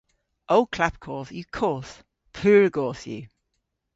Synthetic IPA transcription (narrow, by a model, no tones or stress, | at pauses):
ʔoʊkʰl̥ap̚kʰɔːˑθjəkʰɔˑθ | pʰʉːɹəɡɔˑθjʉ̰